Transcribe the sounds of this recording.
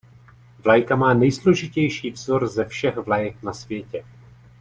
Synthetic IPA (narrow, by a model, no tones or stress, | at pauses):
vlajkamaːnɛjslo̞ʒɪcɛjʃiːvzo̞ɾzɛfʃɛxvlajɛknasvjɛcɛ